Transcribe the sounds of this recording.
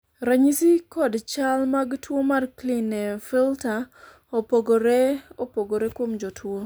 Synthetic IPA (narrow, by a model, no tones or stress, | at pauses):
ɾaɲisɪkɔdt͡ʃalmaɡtwomarklinɛfilta | opoɡoɾeopoɡoɾekwomd͡ʒotʰwo